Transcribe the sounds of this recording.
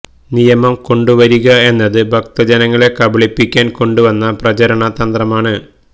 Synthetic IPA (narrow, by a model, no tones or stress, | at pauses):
nijɐmɐmko̞ɳɖuʋɐɾuɣɐe̞nːɐðɨbʱɐk̚t̪ɐd͡ʑɐnɐŋːɐɭe̞kɐbɐɭipːikʲːaːnko̞ɳɖuʋɐnːɐprɐt͡ɕɐɾɐɳɐt̪ɐnd̪rɐmaːɳɨ